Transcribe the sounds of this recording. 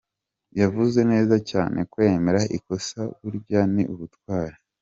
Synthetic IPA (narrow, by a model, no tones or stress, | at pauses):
javuze̞ne̞ːzaca̰ːnʔe̞̰kwe̞ːme̞ɾaʔiko̞saβuɾɟaniʔuβutwaːɾe